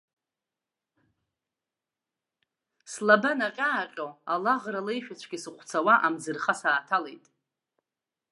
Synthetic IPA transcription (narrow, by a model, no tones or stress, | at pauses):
slabanaqʲʼaːqʲʼoalaʁralejʃᶣat͡ʃʷʰɡʲɪsɨqʷʰt͡sʰawaʔamd͡zɨrχasaːtʰalejtʼ